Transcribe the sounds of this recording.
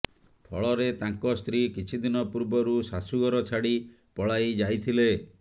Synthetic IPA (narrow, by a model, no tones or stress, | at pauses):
pʰɔɭɔɾet̪aŋkɔst̪ɾikit͡ʃʰid̪inɔpuɾbɔɾusasuɡɔɾɔt͡ʃʰaɽi | pɔɭajd͡ʒajt̪ʰile